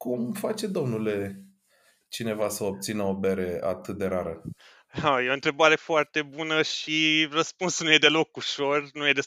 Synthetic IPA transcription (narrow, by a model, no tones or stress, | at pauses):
kumfat͡ʃe̞d̪o̞mnule̞ | t͡ʃine̞vasəop̚t̪sinəobeɾea̰t̪ɨt̪̚d̪e̞ɾaɾə | ajeont̪ɾe̞baɾe̞foart̪e̞bunəʃirəspunsnuje̞d̪e̞lo̞kuʃo̞rnuje̞d̪e